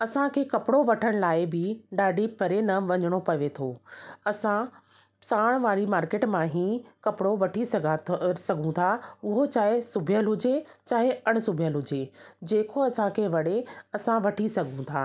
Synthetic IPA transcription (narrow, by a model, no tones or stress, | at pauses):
ɐsãkʰeːkɐpɪɽoʋɐʈʰəɽ̃laːɪbɪɖaːɖʱipɐɾenɐʋɐɲəɽ̃opɐʋet̪ʰoːɐsã | saːɽ̃ʋaːɽimaːɾkeːʈmãɦiːkɐpɪɽoʋɐʈʰisɐɡʱsɐɡʱũt̪ʰaːʊɦot͡ɕaːɦesʊbʱijəlɦʊd͡ʑet͡ɕaːɦeɐɽ̃ʊsʊbʱijəlɦʊd͡ʑed͡ʑeːkʰoɐsãkʰeʋɐɽeɐsãʋɐʈʰisɐɡʱũt̪ʰaː